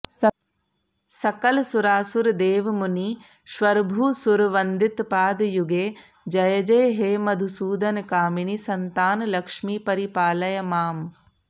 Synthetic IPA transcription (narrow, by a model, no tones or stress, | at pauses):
sɐkɐlsuɾaːsuɾd̪eːʋmuni | ʃʋɐɾbʱuːsuɾʋɐnd̪it̪paːd̪juɡeː | d͡ʒɐjɐd͡ʒɐjɦeːmɐd̪ʱusuːd̪ɐnkaːminisɐnt̪aːnlɐkʂmiːpɐɾipaːlɐjɐmaːm